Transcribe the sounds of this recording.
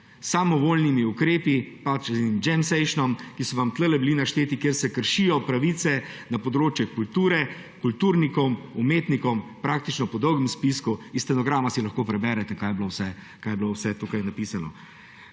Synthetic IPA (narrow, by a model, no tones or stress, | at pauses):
samɔʋoːlnimiukɾeːpipat͡ʃːinmd͡ʒɛmsɛɪʃnɔmkisɔʋamt̪ləlɛbilinaʃt̪eːt̪ikjeːɾsɛkəɾʃijɔpɾaʋiːt̪sɛnapɔd̪ɾoːt͡ʃjɛkult̪uːɾɛ | kult̪uːɾnikɔwmumeːt̪nikɔwmpɾaːk̚t̪it͡ʃnɔpɔd̪ɔwɡəmspiskuist̪ɛnɔɡɾaːmasilɐxkoːpɾɛbɛɾɛt̪ɛkajɛblowsɛ | kajɛblowsɛt̪uːkajnapisanɔ̰